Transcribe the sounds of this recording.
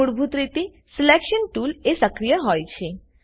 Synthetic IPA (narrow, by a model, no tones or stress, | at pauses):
uɽbʱut̪ɾit̪i | sɪlekʃənʈulesəkɾijəɦɔjt͡ʃʰe